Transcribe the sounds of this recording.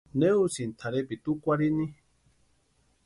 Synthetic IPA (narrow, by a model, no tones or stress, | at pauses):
neusint̪ʰaɾepit̪ukʷaɾinĩ